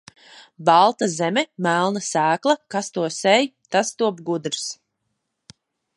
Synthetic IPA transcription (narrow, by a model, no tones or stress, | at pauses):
bɑlˠt̪azɛmɛmælˠnasæːklˠɐkast̪uɔsɛjt̪ast̪uɔbɡud̪ɾs